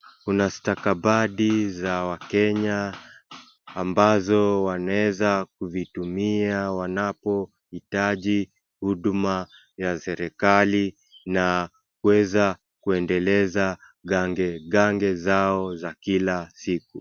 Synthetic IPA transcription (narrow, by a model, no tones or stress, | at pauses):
kunastakaɓaɗizawakɛɲa | mbazɔwanaɛzak̚uvitumiawanapɔ | hitaʄi | huɗuma | jasɛɾɛkali | na | kuwɛza | kuɛndɛlɛza | ɡaŋɡɛɡaŋɡɛzaɔzakilasik̚u